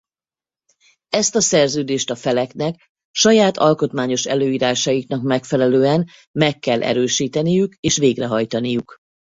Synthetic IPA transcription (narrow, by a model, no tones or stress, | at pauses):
ɛst̪ɒsɛrzøːd̪eːʃt̪ɒfɛlɛknɛk | ʃɒjaːt̪ʰɒlko̞t̪maːɲo̞ʃɛ̰løːiːɾaːʃɒjikn̪ɒkmɛkfɛlɛløːɛn | mɛkːɛlʔɛ̰ɾøːʃiːt̪ɛnijykeːʃʋeːɡrɛɦɒjt̪ɒnijuk